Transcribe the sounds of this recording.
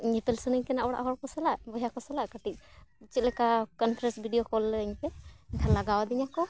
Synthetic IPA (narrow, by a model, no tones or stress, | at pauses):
ɲɛpɛlsunɛɲkɛnaʔɔɽa̰ʔɦɔɾkɔsɛlaʔbɔjakɔsɛlaʔkəʈit̪̚t͡ʃit̪̚lɛkakɔnpʰɾɛnsbʱiɖijokɔləɲpɛɛkʰanlaɡawd̪iɲakɔ